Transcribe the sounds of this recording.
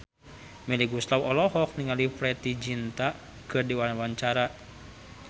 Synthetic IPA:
mɛliɡuslawɔlɔɦɔk̚niŋalifɾɛt̪id͡ʒint̪a | kɨrdiwanawaɲt͡ʃaɾa

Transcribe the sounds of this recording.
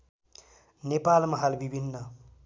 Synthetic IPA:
nepalmʌɦalbibʱinːʌ

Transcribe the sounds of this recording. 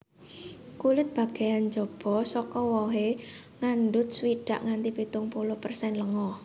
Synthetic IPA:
kulɪt̪̚b̥a̤ɡ̥a̤jand͡ʒɔb̥ɔ̤sɔkɔwɔɦeŋanɖʊt̪̚swiɖ̥a̤ʔŋant̪ipit̪ʊŋpulʊhpərsɛnləŋɔ

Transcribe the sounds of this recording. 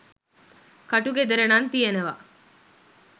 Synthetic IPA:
kɐʈuɡed̪eɾenant̪ijenəʋa̰

